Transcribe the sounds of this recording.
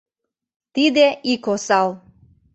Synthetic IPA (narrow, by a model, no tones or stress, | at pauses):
t̪id̪eikosɑlˠ